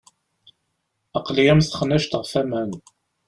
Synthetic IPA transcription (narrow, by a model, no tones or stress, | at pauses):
əqlijæmst̪χənːæʃt̪əʁfæmæn